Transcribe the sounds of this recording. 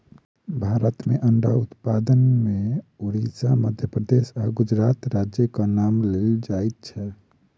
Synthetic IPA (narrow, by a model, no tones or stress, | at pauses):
bʱaɾət̪meʔəɳɖaut̪pad̪ənmeuɾisaməd̪ʱjəpɾəd̪esaɡud͡ʒɾat̪ɾad͡ʒjəkanamleld͡ʒajt̪̚t͡ʃʰɛ